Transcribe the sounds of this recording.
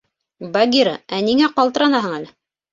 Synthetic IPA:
baɡʲiɾaæniŋæqɑlˠt̪ɤ̆ɾɑnɑɦɤɴælɘ

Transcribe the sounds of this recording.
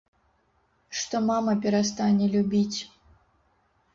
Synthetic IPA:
ʂt̪ɔmamɐpʲɛɾast̪anʲɛlʲubʲit͡sʲ

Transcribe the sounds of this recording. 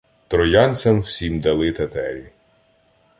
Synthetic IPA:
t̪ɾɔjɑnʲt͡sʲɐmw̥sʲimd̪ɐlˠɪt̪ɐt̪ɛɾʲi

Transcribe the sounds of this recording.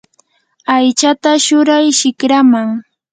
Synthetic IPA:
ajt͡ʃat̪aʃʊɾajʃɪkɾamaŋ

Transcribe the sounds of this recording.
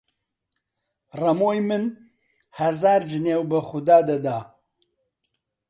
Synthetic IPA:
rɐmoːjmɨn | hɐzaːɾd͡ʒɨneːwbɨxʊd̪aːd̪ɐd̪aː

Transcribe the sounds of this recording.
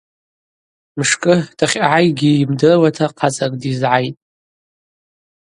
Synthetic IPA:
mʂkʼɨtʰaχʲaʕajɡʲiːmdɨrwatʰaqʰat͡sʼakʼdizʕajtʼ

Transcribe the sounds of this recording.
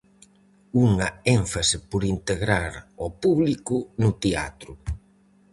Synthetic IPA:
uŋɐeɱfasɪpʊɾint̪eɣɾaɾɔpuβlikʊnʊt̪ea̰t̪ɾʊ

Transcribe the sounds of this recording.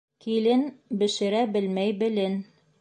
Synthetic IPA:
kilɘnbɘ̆ʃɘ̆ɾæbɘlmæjbɘ̆lɘn

